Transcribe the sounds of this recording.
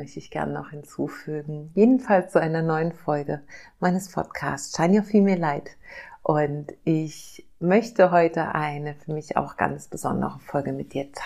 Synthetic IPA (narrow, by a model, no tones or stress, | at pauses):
mœçtəɪçɡ̥ɛ̰ɐnnɔ̰χhɪnt͡suːfyːɡŋ̩jeːdn̩falst͡suʔaɪnɐnɔʏənfɔlɡəmaɪnəspʰɔ̰tkʰa̰ːst͡sʃaɪnaʊfiːlmiːɐlaɪtʔʊntʔɪç | mœçtʰəɦɔʏtʰəʔaɪnəfyːɐmɪça̰ʊxɡ̥a̰nt͡sb̥əzɔ̰ndə̰ʁəfɔlɡəmɪt̚d̥iːɐt͡sʰa